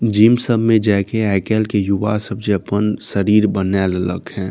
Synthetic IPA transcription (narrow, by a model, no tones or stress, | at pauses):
d͡ʒiːmsəbʱmẽd͡ʒaːkeɛːkeːlkejʊʋasəbseəpənsəɾiːɾbənɛːllə̰kɦɛ̃ː